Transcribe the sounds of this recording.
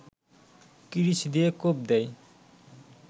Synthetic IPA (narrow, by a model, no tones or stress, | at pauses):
kiɾisd̪iekob̚d̪ɛj